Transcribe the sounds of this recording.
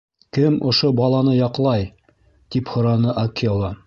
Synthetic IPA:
kɘmŏʃobɑlˠɑnɤjɑqlˠɑj | t̪iphŏɾɑnɤʔɐkolˠɑ

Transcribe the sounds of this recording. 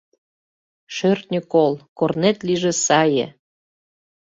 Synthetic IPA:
ʃørt̪nʲəkolkornet̪liʒĕsɑjḛ

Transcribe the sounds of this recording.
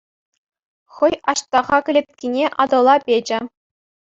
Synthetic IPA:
χɤ̆jɑɕt̪ɑʁɑkʲɘ̆lʲet̪̚ʲkʲinʲeʔɑd̪ɤ̆lˠɑpʲed͡ʑɘ̆

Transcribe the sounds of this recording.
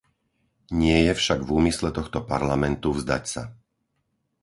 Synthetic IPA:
ɲɪɛjɛfʃaɡvuːmislɛt̪ɔxt̪ɔpaɾlamɛnt̪uvzd̪a̰csa

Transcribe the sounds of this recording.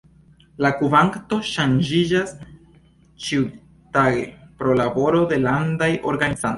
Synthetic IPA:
lakuvaŋkto̞ʃand͡ʒid͡ʒas | t͡ʃiu | taɡḛpɾo̞labo̞ɾo̞de̞landajʔo̞ɾɡanizan

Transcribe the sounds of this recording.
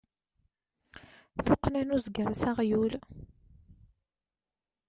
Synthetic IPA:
θʊqːnænuzɡəɾθaʁjul

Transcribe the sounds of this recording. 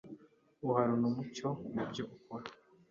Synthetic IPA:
uhaɾunumuco̞nibjo̞ʔukoɾa

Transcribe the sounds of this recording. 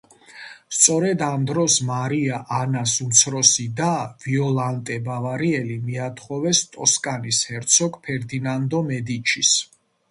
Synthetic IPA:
st̪sʼɔɾɛd̪amd̪ɾɔsmaɾiaʔanasumt̪sʰɾɔsid̪aviɔlˠant̪ʼɛbavaɾiɛlimiat̪ʰχɔvɛst̪ʼɔskʼanishɛɾt̪sʰɔkʰʼpʰɛɾd̪inand̪ɔmɛd̪it͡ʃʰis

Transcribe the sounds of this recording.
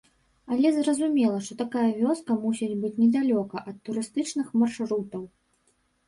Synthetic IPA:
ɐlʲɛzrɐzumʲɛlˠɐʂt̪ɔt̪akajɐvʲɔskɐmusʲɛnʲbɨt͡sʲnʲɛd̪alʲɔkɐʔɐt̪ːuɾɨst̪ɨt͡ʂnɨxmarʂɾut̪ɐw

